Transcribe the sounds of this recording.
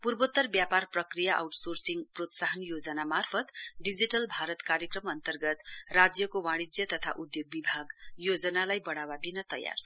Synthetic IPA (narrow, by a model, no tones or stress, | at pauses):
purbot̪ːʌrbjaparprʌkrijaʔa̰wʈsorsiŋprot̪saɦʌnjod͡zʌnamarpʰʌt̪ɖid͡ziʈʌlbʱaɾʌt̪kaɾjʌkrʌmʌnt̪ʌrɡʌt̪rad͡zjʌkowaɽ̃id͡zjʌt̪ʌt̪ʰa̰ʔud̪joɡ̚bibʱaɡjod͡zʌnalajbʌɽ̃awad̪inʌt̪ʌ̰ja̰rsʰ